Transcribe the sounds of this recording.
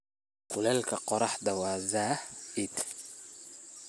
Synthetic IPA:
kʊlɛːlkʰɐqɔɾɑħd̪ɐwɑːzaːhɪd̪

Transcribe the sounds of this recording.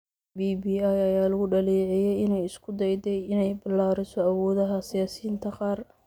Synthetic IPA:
biːbiːajɐjaːlɐɣʊɖɐliːʕɛjɛjɪnɛjɪskʰʊd̪ɛjd̪ɛjɪnɛjbɪlːaːɾɪsɔɐwɔːðɐɦɐsɪjaːsiːnt̪ʰɐqɑːr

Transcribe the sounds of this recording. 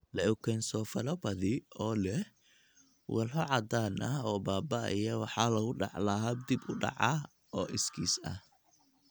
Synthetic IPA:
lɛʊkʰɛnsɔːfɐlɐbɐðɪɔːlɛh | wɐlɦɔʕɑd̪aːnʔɐɔːbaːbɐɪ̰jɐwɑħɑːlɐɣʊɖɑ̰ʕlɐɦɐb̚d̪ɪbʊɖɑ̰ʕɑ | ɔːʔɪskʰiːsɐ̰h

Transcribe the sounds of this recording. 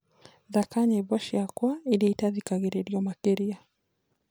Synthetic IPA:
ðakaɲɛbɔʃiakwailɛitaðikaɣɛɾɛɾiɔmakɛɾia

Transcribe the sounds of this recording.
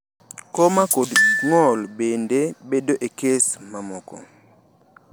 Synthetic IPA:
kɔmakodiŋɔlbendebedoʔekesmamɔkɔ̰

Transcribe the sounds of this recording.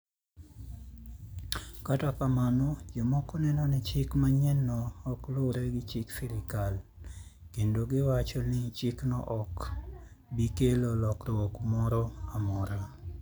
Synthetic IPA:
katakamanɔd͡ʒomɔkɔnɛnɔnɛt͡ʃɪkmaɲɛnːɔːkloɾɛɡɪt͡ʃɪkfiɾɪkal | kendoɡɪwat͡ʃɔnɪt͡ʃɪknɔ̰ʔɔk | bikelolɔkɾɔɔkmɔɾɔamɔɾa

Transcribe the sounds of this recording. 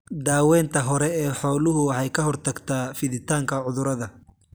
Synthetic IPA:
d̪aːwɛːnt̪ʰɐɦɔɾɛɛːħɔːlʊɦʊwɑħɑjkʰɐɦɔrt̪ʰɐɡt̪ʰaːfɪðɪt̪ʰaːŋkʰɐʕʊðʊɾɐðɐ

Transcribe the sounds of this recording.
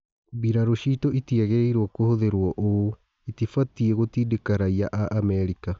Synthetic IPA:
biɾaɾoʃiːtoʔitiaɣeɾeiɾwɔkohoðeɾwɔʔo | itifatieɣotiːdekaɾaiaʔaʔamɛɾika

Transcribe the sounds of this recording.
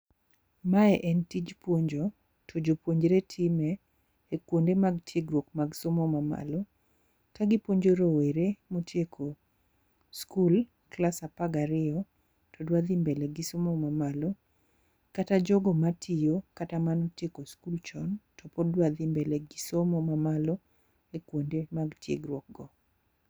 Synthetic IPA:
maɛʔɛntid͡ʒpwoɲd͡ʒo | tʰod͡ʒopwoɲd͡ʒɾetʰɪmɛː | kwondemaɡtʰjeɡɾwokmaɡsomɔmama̰lɔ | kaɡɪpwoɲd͡ʒoɾoweɾemotjekʰo | skul | klasapaɡaɾɪɔ | tʰɔdwad̪ɪmbeleɡɪsomɔmamalɔ | katad͡ʒɔɡɔmatʰijokatamanɔtjekoskult͡ʃɔntɔpɔdwad̪ɪmbɛlɛɡɪsomɔmamalɔ | ekwondemaɡtjḛɡɾwɔk̚ɡɔ

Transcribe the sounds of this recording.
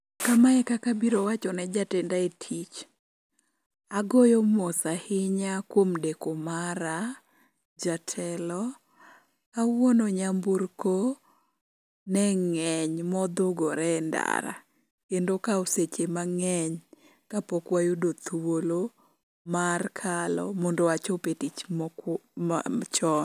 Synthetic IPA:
kamaɛkakabiɾowat͡ʃɔnɛd͡ʒatɛndaetʰit͡ʃ | aɡojomɔsahɪɲakwomdekomaɾa | d͡ʒatʰɛlɔ | awwɔnɔɲamburko | nɛŋɛɲmɔd̪oɡɔɾɛnda̰ɾa̰ | kendokaoset͡ʃemaŋɛɲ | kapɔkwajodot̪wolo | markʰalɔ̰mɔndowat͡ʃopetit͡ʃ | t͡ʃɔn

